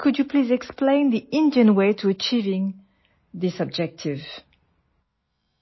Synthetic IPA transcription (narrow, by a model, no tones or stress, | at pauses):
kʰɨd͡ʒjɨpʰlizɛksplẽɪ̃nðiʔɪ̃ndiə̃nweɪtʰuət͡ʃivɪ̃ŋ | ðɪsɔb̚d͡ʒɛk̚tʰɪv̥